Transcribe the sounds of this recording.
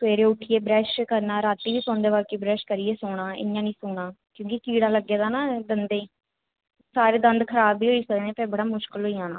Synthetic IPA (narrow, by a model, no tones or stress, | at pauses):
t̪ʊeːɾeːʊʈʰiːeːbɾɛːʃkəɾnaːɾaːt̪ːiːʋiːsoːnd̪eːʋaːlkiːbɾɛːʃkəɾiːeːsoːɽãːɪ̰jãːnĩːsoːɽãː | kjõːkikiːɽaːləɡːeːd̪aːnaːd̪ənd̪eː | saːɾeːd̪ə̃nd̪kʰəɾaːbːiːɦoːiːsəeːnẽːpɛːbəɽaːmʊʃkəlɦoːijãːnãː